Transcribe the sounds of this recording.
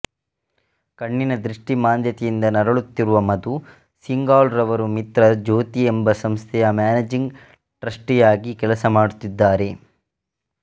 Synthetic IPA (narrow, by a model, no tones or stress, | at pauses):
kɐɳːinɐd̪ɾiʂʈimaːnd̪ʱjɐt̪ɛjind̪ɐnɐɾɐɭut̪ːiɾuʋɐmɐd̪u | siŋɡaːlɾɐʋɐɾumit̪ɾɐd͡ʒoːt̪iembɐsɐmst̪ʰɛjɐmaːned͡ʒiŋɡ | ʈɾɐʂʈijaːɡikɛlɐsɐmaːɽut̪ːid̪ːaːɾe̞